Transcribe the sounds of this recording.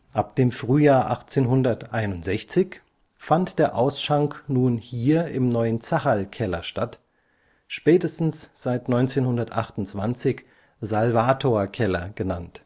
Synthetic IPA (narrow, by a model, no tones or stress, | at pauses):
ʔap̚d̥eːmfʁ̥yːjaːɐʔaχt͡seːnɦʊndɐtʔaɪnʊntz̥ɛçt͡sɪç | fantd̥eːɐʔaʊsʃaŋknuːnhiːɐɪmnɔʏənt͡saχalkʰɛlɐ̰ʃtat | ʃpɛːtəstn̩sz̥aɪtnɔʏnt͡seːnhʊndɐtʔa̰χtʊntt͡sv̥ant͡sɪç | zalvaːtʰoɐkʰɛlɐɡ̥ənant